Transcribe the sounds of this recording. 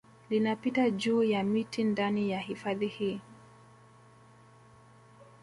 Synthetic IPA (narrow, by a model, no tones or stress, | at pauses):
linapitad͡ʒuːjamitindanijahifaðihiː